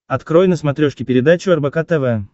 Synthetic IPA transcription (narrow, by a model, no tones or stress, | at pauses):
ɐt̪kɾojnəsmɐt̪ɾʲoʂkʲɪpʲɪɾʲɪd̪at͡ɕʊɐrbɐkat̪ɛvɛ